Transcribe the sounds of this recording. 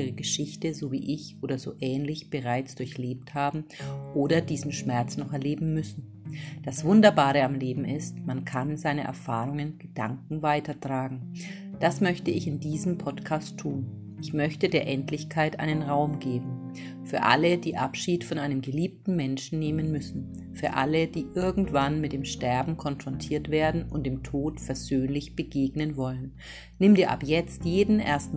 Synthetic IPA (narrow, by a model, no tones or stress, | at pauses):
ʁəɡəʃɪçtəzovḭːʔɪçʔoːdɐzo̰ːʔɛːnlɪçb̥əʁaɪt͡sd̥ʊɐçleːp̚thaːbm̩ʔoːɾɐdiːzn̩ʃmɛɐt͡snɔχɛɐleːbm̩mʏsn̩ | d̥asv̥ʊndɐbaːʁəamleːbm̩ɪstmankʰanzaɪnəʔɛ̰ɐfaːʁ̞ʊŋənɡ̥əd̥aŋkŋ̩vaɪtɐtʁ̥aːɡŋ̩ | d̥asmœçtəɪçɪndiːzəmpʰɔtkʰaːstʰːuːn | ʔɪçmœçtədeːɐʔɛntʰlɪçkʰaɪtʔa̰ɪnənʁaʊmɡeːbm̩ | fyːɐʔa̰ləd̥iːʔapʃiːtfɔnʔaɪnəmɡəliːp̚tn̩mɛnʃn̩neːmənmʏsn̩ | fyːɐʔa̰ləd̥iːʔɪɐɡŋ̩tv̥anmɪt̚d̥eːmʃtɛɐbm̩kʰɔnfʁ̥ɔntʰiːɐtv̥eːɐdn̩ʊ̰nt̚d̥eːmtʰoːtfɛɐzøːnlɪçb̥əɡeːɡnənvɔlənː | ɪmdiːɐʔa̰pjɛt͡stjeːdn̩ʔḛɐstn̩